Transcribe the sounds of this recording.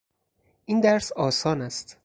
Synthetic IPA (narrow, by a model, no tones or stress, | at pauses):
ʔind̪æɾsɒːsɒːnæst̪